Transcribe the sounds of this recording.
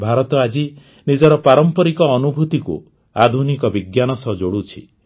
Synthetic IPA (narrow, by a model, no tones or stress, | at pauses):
bʱaɾɔt̪ɔad͡ʒi | nid͡ʒɔɾɔpaɾɔmpɔɾikɔːnubʱut̪ikṵ | ad̪ʱunikɔbiɡjanɔsɔd͡ʒoɽut͡ʃʰi